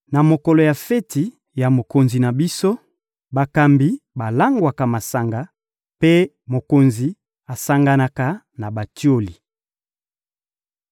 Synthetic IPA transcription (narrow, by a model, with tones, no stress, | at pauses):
na˨mo˨kɔ˨lɔ˨ja˨fɛ˦ti˨ | ja˨mo˨ko˨nzi˨na˨bi˦so˦ | ba˨ka˨mbi˨˦ba˨la˦ŋɡwa˨ka˨ma˨sa˨ŋɡa˨˦ | pe˦ | mo˨ko˨nzi˨˦ | a˨sa˦ŋɡa˦na˨ka˨˦ | na˨ba˨ti˦o˦li˨